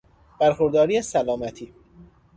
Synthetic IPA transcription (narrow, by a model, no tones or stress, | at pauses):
b̥æɾxoɾd̪ɒːɾiːesælɒːmæt̪ʰiː